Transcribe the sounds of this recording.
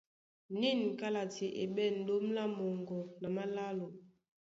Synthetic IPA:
ni˦˨n˨ka˦la˨ti˨ʔḛ˨ɓɛ˦˨n̩˨do˦m˦la˦mɔ˨ŋɡɔ˨na˨ma˦la˦lo˨

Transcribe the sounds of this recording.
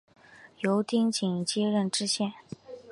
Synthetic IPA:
jo˧˥ʊt̪i˥ŋt͡ɕi˨˩ŋt͡ɕjɛ˥ɻə˥˩nʈ͡ʂɻ̩˥ɕjɛ˥˩n

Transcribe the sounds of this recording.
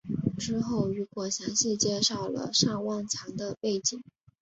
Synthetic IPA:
ʈ͡ʂɻ̩˥xo˥˩ʊy˧˥kwɔ˨˩ɕjɑ˧˥ŋɕi˥˧t͡ɕjɛ˥˧ʂɑ˥˩ʊlə̰˩ʂɑ˥˧ŋwɑ˥˩nt͡ɕʰjɑ˧˥ŋd̪ə˧pe˥˩ɪt͡ɕi˨˩˦ŋ

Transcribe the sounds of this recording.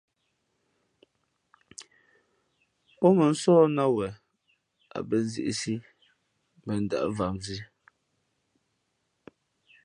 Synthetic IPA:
ɔ˦mə˨n̩˦sɔː˦na˦wɛ˨ | a̰˨bə˨n̩˦zḭ˦˨ʔi˨si˦ | mbɛ˨n̩˦˨da̰˨ʔva˨mzi˦

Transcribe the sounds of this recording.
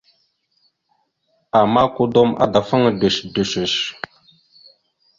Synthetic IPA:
a˨ma˦ku˦do˦mʔa̰˨da˨fə˦ŋ˨də˨ʃdə˨ʃə˨ʃ

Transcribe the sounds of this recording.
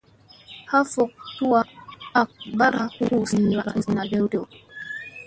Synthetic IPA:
ha˦fo˨k̚tu˦wa˦˨a˨k̚ba˦ɾa˨hu˦u˦si˨wa˨ɾa˨nzi˨na˨dɛ˦wde˦˨w

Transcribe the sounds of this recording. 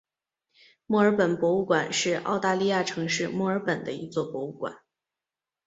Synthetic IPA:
mwɔ˥˩ə˞˧˥pə˨˩npwɔ˧˥u˥˩kwa˨˩nʂɻ̩˥˩ɑ̰˥˧ʊt̪a˥˧li˥˧ja˥˩ʈ͡ʂʰɤ˧˥ŋʂɻ̩˥˧mwɔ˥˩ə˞˧˥pə˨˩nd̪ə̰˦i˧˥t͡swɔ˥˩pwɔ˧˥u˥˩kwa̰˨˩˦

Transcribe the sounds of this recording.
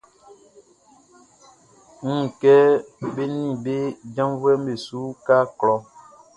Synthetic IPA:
ŋ̩˦ŋ̩˨kɛ˦be˦nĩ˦˨be˦d͡ʒã˦mvwɛ˦m˦be˨su˦ka˦klɔ˦

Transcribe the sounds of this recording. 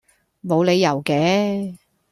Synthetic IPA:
mo˨˧wle˨˧jːɐ˨˩wkɛː˨˥

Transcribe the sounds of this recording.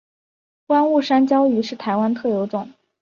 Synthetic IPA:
kwa˥nu˥˩ʂa˥nt͡ɕjɑ˥ʊy˧˥ʂɻ̩˥˩t̪ʰa˧˥ɪwa˥nt̪ʰɤ˥˩jo˧˥ʊʈ͡ʂʊ˥˩ŋ

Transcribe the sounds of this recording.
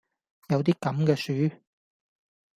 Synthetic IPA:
jɐ˨˧wt̪̬iː˥kɐ˨˥mkɛː˧syː˨˥

